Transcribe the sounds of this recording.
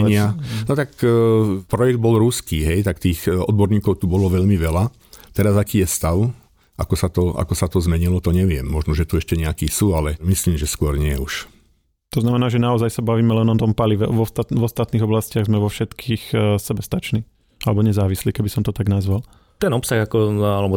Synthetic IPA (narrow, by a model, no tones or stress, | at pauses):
ɲɪanɔt̪akː | pɾɔjɛɡd̪̚bɔlɾuskiːɦɛjt̪akt̪iːxɔd̪̚bɔɾɲiːkɔʊt̪ubɔlɔʋɛʎmiʋɛla | t̪ɛɾazakiːjɛst̪aʊ | ʔa̰kɔsat̪ɔa̰kɔsat̪ɔzmɛɲilɔt̪ɔɲɛʋɪɛmːɔʒnɔʒɛt̪uɛʃcɛɲɛakiːsuːalɛmisliːmʒɛskʊɔɾɲɪɛuʃ | t̪ɔznamɛnaːʒɛnaɔzajsabaʋiːmɛlɛnɔt̪ɔmpaliʋɛʋɔst̪atʋɔst̪at̪niːɣɔblascɪaɣzmɛʋɔfʃɛt̪kʰiːxsɛbɛst̪at͡ʃniː | alɛbɔɲɛzaːʋisliːkɛbisɔmt̪ɔt̪aɡnazʋal | t̪ɛnɔpsaɣakɔalɛbɔ